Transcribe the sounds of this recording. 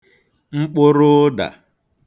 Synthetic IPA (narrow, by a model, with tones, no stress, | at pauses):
ŋ͡m̩˦k͡pʊ˦ɾʊ˦da̰˨